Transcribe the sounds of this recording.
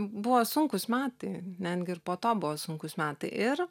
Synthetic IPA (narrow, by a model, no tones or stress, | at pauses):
bʊʋoːsʊŋkʊsmʲæːt̪ɐnʲɛd̪ʲɡʲɪɪrpoːt̪oːbʊʋoːsʊŋkʊsmʲæːt̪ɐɪʔɪr